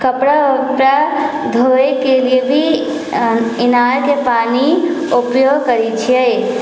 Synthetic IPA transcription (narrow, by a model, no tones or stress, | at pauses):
kəpɽapɾa | d̪ʱoekeliebʱi | ɪnaːɾkepaːni | ʊpjoːɡkəɾit͡ʃʰie